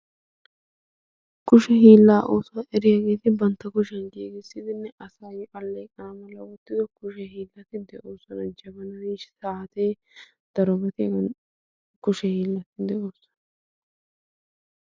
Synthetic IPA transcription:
kʊʃɛɦiːlːaːʔoːswɐʔɛɾɪjaɡe̞ːt̪ɪbɐnt̪ːɐkʊʃɐnɡeːɡɪsːɪd̪ɪnːɛʔɐsɐjʔɐlːekʼɐnɐmɐlːɐwɔt̪ːɪd̪ɔkʊʃɛɦiːlːɐt̪ɪd̪ɛʔoːsɔnɐd͡ʒɐbɐnɐniʃsaːt̪eː | d̪̥ɐɾɔbɐt̪ɪ | kʊʃɛhiːlːɐt̪ɪd̪ɛoːsɔ̥nɐ

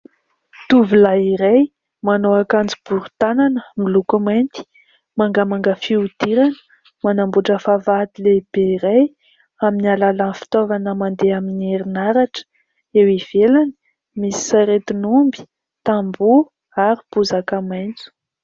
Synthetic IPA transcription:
t̪uvilaiɾej | manoakand͡zib̥uɾut̪ananəmilukumant̪i̥ | maŋɡamaŋɡəfiud̪̥iɾanə̥ | manambuʈ͡ʂəfavad̪ileb̥eiɾej | aminalalanfi̥t̪ovanəmand̪eaminieɾinaɾaʈ͡ʂə̥ | ewiv̥elani̥ | misi̥saɾet̪inumbi̥ | t̪ambu | aɾib̥uzakamajnt͡su̥

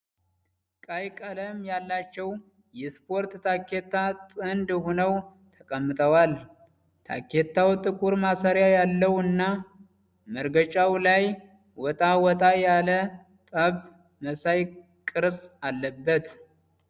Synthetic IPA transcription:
kʼajkʼələmjalːat͡ʃːɛw | jɛspʰo̞ɾt̪t̪ʰakːe̞t̪ʰːat̪ʼɨnd̪honəw | t̪ʰəkʼəmːɨt̪ʰʼəwal | t̪ʰa̰kːe̞t̪ʰːawt̪ʼɨkʼuɾmasaɾjajalːəwɨnːa | məɾɡət͡ʃʼawlaj | wɔt̪ʼawɔt̪ʼajalə | t̪ʼəβ | məsaj | kʼɨɾsʼalːəbːət̪

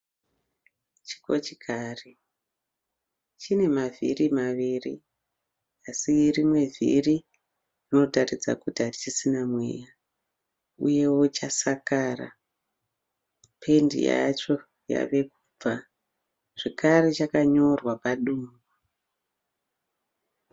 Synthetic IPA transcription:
t͡ʃi̥ko̰t͡ʃikʰaːre | t͡ʃine̞mavʱḭrimaʋiːrḭ | asirimwe̞vʱḭri | rino̞tarid͡za̰kutiɦatit͡ʃisinamwe̞̰ja | ṵje̞wo̞t͡ʃasakaːra̰ | pʰe̞ndḭja̰t͡ʃo̞ | ja̰ʋe̞ku̥b͡va | ʐ̥ekʰaɾet͡ʃakaɲo̞rwapaɗuːmbu

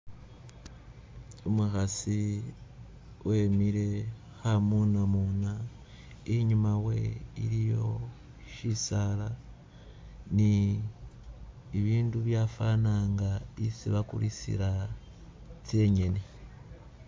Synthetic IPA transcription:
umuxasi | wʔemiɾe̞ | xamunamuna | iɲumawe̞̰ḭɾijo̞ | ʃisala | ni | βiːnduβjafanaːŋɡaisiβakṵlisḭɾa | t͡sje̞ɲe̞ne

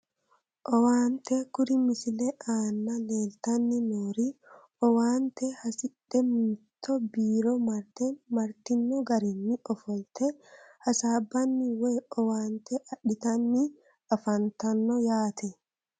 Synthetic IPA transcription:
ʔɔwaːnt̪ɛkʊɾɪmɪsɪlɛʔaːnːɐleːlt̪ɐnːɪnoːɾiʔɔwaːnt̪ɛhɐsɪᶑɛmɪt̪ʰːɔbiːɾɔmɐɾt̪ɛmɐɾt̪ɪnːɔɡɐɾɪnːɪɔfɔlt̪ʰɛhɐsaːbːɐnːɪwɛɔwaːnt̪ɛʔɐᶑɪt̪ɐnːɪ | ɐfɐnt̪ɐnːɔjaːt̪ʰɛ

